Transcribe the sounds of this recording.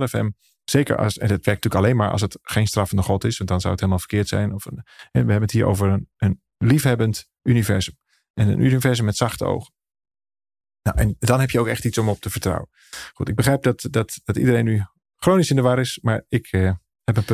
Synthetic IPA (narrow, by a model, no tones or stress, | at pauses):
lɛfɛ̰m | z̥ekə̰ɹɑ̰sɛ̰ndɑtʋɛɹk̚nətyːləkalejnmaːɹʔɑ̰lˠsətχejnstrafəndəχɔtɪsʋɑntdɑnzawəthelˠmalˠvəɹkɪːɹtsɛ̰jnɔfhɛʋəɦɛbənəthiːɹʔo̰wvəɹənən | lifɦɛbənt | ʔynivɛɹzəm | ʔɛnə̰nʔynivɛɹzəmːɛtsɑχtəo̰wχə | nawʔɛ̰ndɑnɦɛpjəowkɛχtitsɔmɔp̚təvəɹtrɑ̰wən | χutɪɡ̚bəχrɛjp̚dɑtdɑtd̥ɑtḭdəɾejnːy | χrownisɪndəʋaɾɪsmaːɹɪk | hɛpənp